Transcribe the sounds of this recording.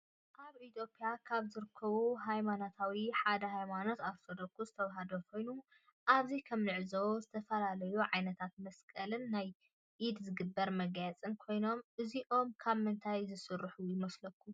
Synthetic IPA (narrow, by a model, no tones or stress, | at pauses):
ʔaβit̪ʰjo̞pʼjakʰaβzɨɾɨkʰːɐβuɦajmanot̪ʰawiħad̪ɐɦajmano̞t̪afod̪ɐkʰːuzɨt̪ʰɐwɦad̪okʰo̞jnu | ʔaβzikʰɐmnɨʕzowzɨt̪ʰɐfɐlalɐjuʕajnɐt̪ʰat̪̚mɐskʼɐlɨnːaj | ʔid̪zɨɡɨbːɐɾmɐɡjat͡sʼɨnkʰo̞jno̞mʔɨziʔo̞mkʰaβmɨnt̪ʰajzɨsɨrːɨħujɪmɐslɐkʰːu